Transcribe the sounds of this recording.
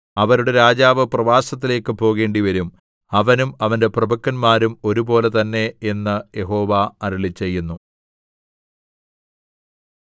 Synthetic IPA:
ɐʋɐɾuɽe̞ɾaːd͡ʑaːʋɨprɐʋaːsɐt̪̬ːile̞ːkːɨpo̞ːɣe̞ːɳɖiʋɐɾum | ɐʋɐnumɐʋɐnde̞prɐbʱɐkːɐnmaːɾumo̞ɾubo̞ːle̞t̪ɐnːe̞enːɨje̞ɦo̞ːʋaɐɾuɭit͡ɕːe̞jːunːu

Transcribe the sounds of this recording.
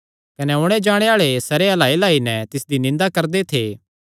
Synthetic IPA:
kɐneʊɽ̃ed͡ʒaːɽ̃eaːɭesɐɾeɐlaːelaːinɛ̃t̪ɪsd̪inɪ̃nd̪akɐɾd̪et̪ʰeː

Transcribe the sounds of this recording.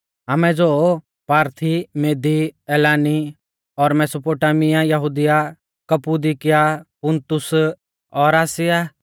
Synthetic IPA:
ɦɐmɛ̃d͡ʒoː | paːɾt̪ʰimeːd̪iɛːlaːni | ɔːɾmɛːsoːpoːʈaːmɪjãjɐɦuːd̪ɪja | kɐpuːd̪ikɪjapʊnt̪ʊs | ɔːɾaːsɪjaː

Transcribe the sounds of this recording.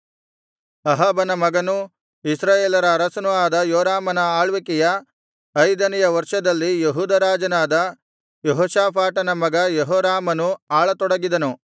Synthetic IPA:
ɐɦɐbɐnɐmɐɡɐnu | isɾaːjeːlɐɾɐːɾɐsɐnuaːd̪ɐjoːɾaːmɐnɐaːɭʋikɛjɐ | ɐjd̪ɐnɛjɐʋɐɾʂɐd̪ɐlːijeɦuːd̪ɐɾaːd͡ʒɐnaːd̪ɐ | jeɦɔːʃaːpʰaːʈɐnɐmɐɡɐjeɦɔːɾaːmɐnuaːɭɐt̪ɔɽɐɡid̪ɐnu

